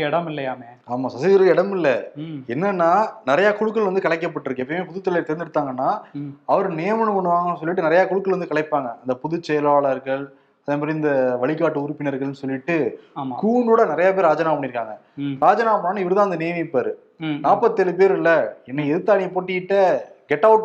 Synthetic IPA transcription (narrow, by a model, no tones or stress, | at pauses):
ɛɽɐmɪlːɐjaːmeːaːmaːsɐsɪɪɾɯɛɽɐmɪlːɐɛnːɐnːaːnɪɾɐjaːkʊɻɯkːɐɭʋɐnd̪ɯkɐɭɐɪk̬ːɐpːɐʈːɪɾɯkːɯɛpːɐmeːpʊðɯt̪ːɐlet̪ɛɾɪnd̪ɪɽɯt̪ːaːŋɡɐnːaːɐʋɐɾɯnejːmɐɳɯmɐɳːɯʋaːŋɡɐnːɯs̬ɔlːɪʈːɯnɪɾɐjaːkɔɻɯkːɐɭʋɐnd̪ɯkɐɭɐɪpːaːŋɡɐɐnd̪ɐpʊðʊt͡ʃːɛjɐlaːɭɐɾɣɐɭ | ɐðeːpɐːɾiɪnd̪ɐʋɐɭɪkːaːʈːɯʊɾʊpːɪnɐɾɣɐɭnɯsɔlːɪʈːɯkuːɳɖuːɽɐnɪɾɐjaːp̬eːɾaːd͡ʒɐnaːɐpɐɳɪɾɯkːaːŋɡɐɾaːd͡ʒɐnaːpɐɳːaːnaːɪʋɐɾɯðãːɐnd̪ɐneːmipːaːɾɯ | naːpːɐt̪ːɛlɯpeːɾɪlːɐɛnːɐɛðɯt̪ːaːɳipoːʈːɪkɪʈːɐɡɛʈːɐʋʊʈ